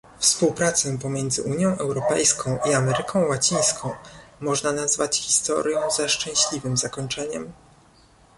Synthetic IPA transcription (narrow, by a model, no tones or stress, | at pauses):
fspuwpɾat̪sɛpɔmʲjɛnd̪zɘ̰ʔuɲjɔ̃w̃ʔɛwɾɔpɛjskʰɔ̃w̃ʔiamɛɾɘkʰɔ̃w̃wat͡ɕij̃skʰɔ̃w̃mɔʐnanazvat͡ɕxʲi̥st̪ɔ̰ɾjɔ̃w̃zaʂt͡ʂɛ̃w̃ɕlʲivɘmzakɔɲt͡ʂɛɲɛ̰m